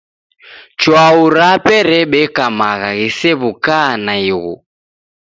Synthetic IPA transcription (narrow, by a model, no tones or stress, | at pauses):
t͡ʃwauɾapɛɾɛɓɛkamaɣaɣisɛβukanaiɣṵ